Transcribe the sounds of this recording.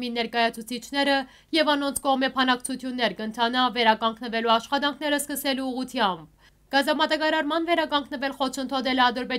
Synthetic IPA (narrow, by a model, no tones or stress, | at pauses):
minɛɾkɑjɑt͡sʰut͡sʰit͡ʃʰnɛɾə | jɛvɑnɔnt͡sʰkɔʁmɛpʰɑnɑkt͡sʰut̪ʰjunːɛɾkəənt̪ʰɑnɑvɛɾɑkɑŋɡnəvɛluɑʃχɑt̪ɑŋkʰnɛɾəskəsɛluuʁut̪ʰjɑmb̚ | ɡ̥ɑzɑmɑt̪ɑkɑɾɑɾmɑnvɛɾɑkɑŋɡnəvɛlχɔt͡ʃʰənt̪ʰɔt̪ɛlɛɑd̪əɾvɛ